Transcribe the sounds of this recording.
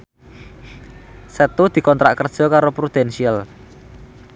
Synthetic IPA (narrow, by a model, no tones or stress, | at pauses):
sət̪ud̪̥i̤kɔnt̪ɾa̰ʔkərd̥ʒ̥ɔ̤kaɾopɾud̪̥ɛnsial